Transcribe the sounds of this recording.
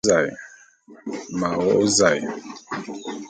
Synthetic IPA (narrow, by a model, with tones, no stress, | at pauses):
a˨j | ma˨wɔ˦o˦za˨j